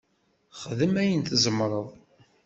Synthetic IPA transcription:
χəðəmæjənt̪zəmɾˤəðˤ

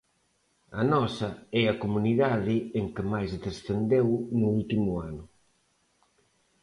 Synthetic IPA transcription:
ɐnɔsɐɛɐkomuniðaðɪeŋkɪmajsðesθend̪ewnuult̪imʊanʊ

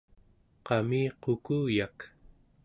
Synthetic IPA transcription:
qɑmiːqokuːjak

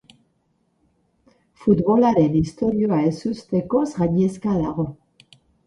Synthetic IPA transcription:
fud̪βolaɾenist̪oɾjoaesyst̪ekosʁaɲeskaðaʁo

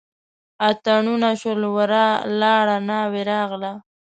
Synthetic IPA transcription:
at̪aɳunaʃolwəɾalɑɽanɑweɾɑɣla

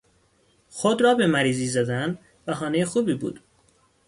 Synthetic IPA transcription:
xod̪ɾɒːbe̞mæɾiːziːzæd̪æn | væxɒːnejexuːbiːbṵːd̪̥

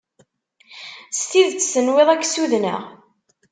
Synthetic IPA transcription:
st̪iðt͡sːsənweðˤækːsuðnə̰ʁ

